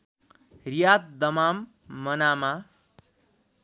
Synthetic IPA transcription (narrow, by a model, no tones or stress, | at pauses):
rijat̪̚d̪ʌmamː | ʌnama